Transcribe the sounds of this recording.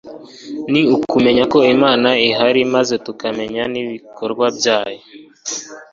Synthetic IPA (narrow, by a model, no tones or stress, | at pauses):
niukume̞ɲako̞imaːnaiɦaɾimaze̞tukame̞ɲaniβikoɾɡwabjaːjo